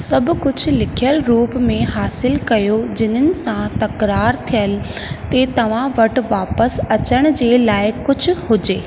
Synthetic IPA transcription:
sɐbʱʊ̆kʊd͡ʑʱʊ̆lɪkʰijəlɾuːpmẽɦaːsɪlkɐjod͡ʑɪn̤ənɪ̆sãt̪ɐkɾaːɾt̪ʰijəl | t̪et̪ɐʋ̤ãʋɐʈ̆ʋaːpəsɐt͡ɕəɽ̃d͡ʑeːlaːɪkʊd͡ʑʱʊhʊd͡ʑeː

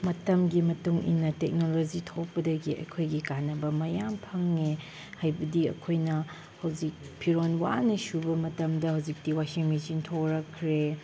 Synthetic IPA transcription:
mɐtɐmɡimɐtuŋʔḭnːɐtek̚nolod͡ʒitʰok̚pɐdɐɡiɐ̰jkʰojɡikanːɐbɐmɐjampʰɐŋːe | hajbɐdiɐ̰kʰojnɐ | hɐwd͡ʒik̚pʰiɾonwa̰nɐsubɐmɐtɐmdɐhɐwd͡ʒik̚tiwasiŋmisintʰoɾɐkʰːɾe

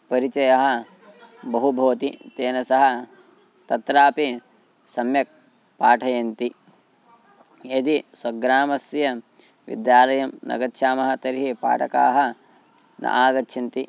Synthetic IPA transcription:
pɐɾit͡ʃɐjɐɦɐ̆ | bɐɦubʱoːt̪it̪eːnɐsɐɦɐ | t̪ɐt̪ɾaːpi | sɐmjɐk̚ | paːʈʰɐjɐnt̪i | ed̪iswɐɡɾaːmɐsjɐ | ʋḭd̪jaːlɐjɐmnɐ̰ɡɐtːʃʰaːmɐɦɐ̆t̪ɐɾɦipa̰ːʈɐka̰ːɦɐ̆ | nɐ̰ʔaːɡɐtːʃʰɐnt̪i

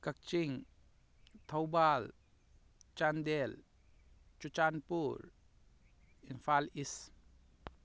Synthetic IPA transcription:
kɐk̚t͡ʃiŋ | t̪ʰɐwbaːl | t͡ʃand̪el | t͡ʃut͡ʃaːnpuɾ | infaːlis

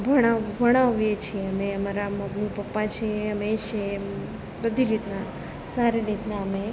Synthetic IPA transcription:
bʱəɽ̃abʱəɽ̃ãʋjet͡ʃʰieəmeəmaɾaməɡmupəpːat͡ʃʰeəmeʃe | bəd̪ʱiɾit̪na | saɾeɾit̪naəme

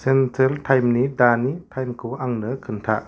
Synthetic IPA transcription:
sɛntʰɛltʰajmnidanitʰajmkʰuʔaŋnɯkʰɯnt̪ʰaʔ

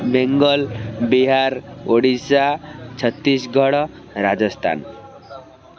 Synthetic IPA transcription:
meŋɡʌlbiɦaɾoɽisat͡sʰʌt̪ːisɡʱʌɽʌ | ɾad͡zʌst̪ʰa̰n

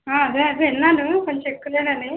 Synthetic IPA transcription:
aːɐd̪eːɐd̪einːaːluko̞nt͡ʃekːuleːɽɐni

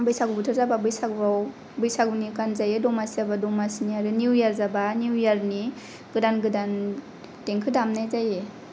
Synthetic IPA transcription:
abɯjsaɡɯbutʰɯɾzababɯjsaɡɾaw | bɯjsaɡɯnikanzajedɔmasiabadɔmasiniaɾɯnuwjaɾzabanuwjaɾni | ɡ̥ɯdanɡɯdan | teŋkʰɯdamnajzaje

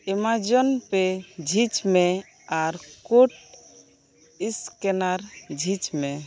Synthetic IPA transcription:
emad͡ʒɔnped͡ʒʱit͡ʃme | aɾkoʈ | iskenaɾd͡ʒʱit͡ʃme

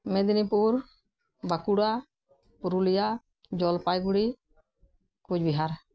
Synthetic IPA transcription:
med̪nipuɾ | bakuɽa | pʊɾulɪja | d͡ʒɔːlpaːjɡuɽi | kʊd͡ʒbɪɦaːɾ

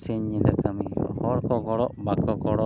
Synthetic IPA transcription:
siɲːid̪akamihɔɽkɔɡɔɽɔʔbakɔkɔɽɔ

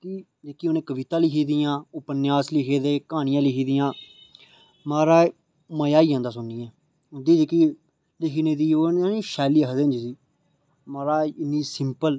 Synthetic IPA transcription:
k̪iː | d͡ʒeːkiːonẽːkəʋɪt̪ãːlɪkʰiːd̪ijãːʊpənɪjaːslɪkʰeːd̪eːkaːñɪjãːlɪkʰiːd̪ɪjãː | maːɾaː | məjaːiːd͡ʒãːnd̪aːsʊnːiːɛ̃ː | ʊnd̪iːd͡ʒeːkiː | lɪkʰiːnẽːd̪iːoːnaːniːʃɛːliːəkəd̪end͡ʒsiː | maːɾaːɪnːiːsɪmpəl

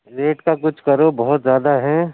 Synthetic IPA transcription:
leːʈkakʊt͡ʃʰkɐɾobɔɦʊt̪zjaːd̪aɦɛ̃ː

